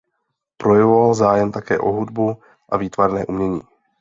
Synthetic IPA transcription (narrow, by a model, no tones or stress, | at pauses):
pɾo̞jɛvovalzaːjɛmt̪akɛ̰ːʔo̞ɦudbu | ʔaviːt̪vaɾnɛ̰ːʔumɲɛɲiː